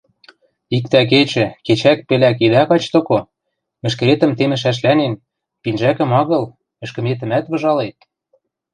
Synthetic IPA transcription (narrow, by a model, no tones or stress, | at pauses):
ik̚t̪æk̬et͡ɕɘ̆ket͡ɕæk̚pɘ̆læk̬id̪ækɑt͡ɕt̪ŏko | mɘ̆ʃ̬kɘ̆ɾet̪ə̆mt̪emɘ̆ʃ̬æʃ̬lænen | pinʒækə̆mɑɣɤ̆l | ɘ̆ʃkɘ̆met̪ə̆mæt̪βɤ̆ʒɑlet̪̚